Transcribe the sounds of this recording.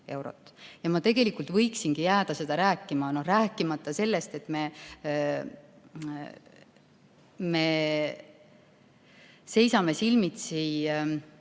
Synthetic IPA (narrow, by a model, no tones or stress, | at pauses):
e̞wɾo̞̰t̪ːˑjɑmɑt̪e̞ɡ̥e̞likˑult̪vɤ̞jksinɡ̥ijæːd̪̥ɑse̞d̪̥ɑɾæːkˑːimɑno̞ræːkːˑimɑt̪ˑːɑse̞lːest̪e̞t̪ːˑme̞ | me̞ | se̞jsɑme̞silmit̪si